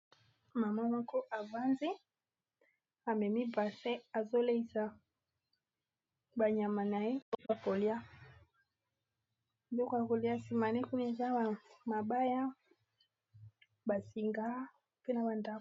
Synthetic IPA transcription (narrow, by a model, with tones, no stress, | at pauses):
ma˨ma˦mɔ˦kɔ˦ʔa˨va˦nzi˦ | a˨mɛ˨mi˦ba˨se˦a˨zo˦le˦i˨sa˨ | ba˨ɲa˨ma˨na˨je˦o˦ka˨ko˨lja˦ | ndo˦ko˦a˨ko˨li˦a˦˨si˨ma˨ne˦ku˦ni˦e˨za˦a˨ma˨ba˦ja˦ | ba˨si˨ŋɡa˦ | pe˦na˨ba˨nda˦